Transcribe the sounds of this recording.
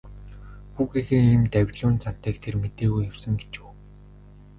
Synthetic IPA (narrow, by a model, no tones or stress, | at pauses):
xuːɣixeːiːmt̪æwʲɮʊːnt͡sʰḁt̪æːkt̪ʰermet̪eːɣujawsə̆ŋɡe̥t͡ɕuː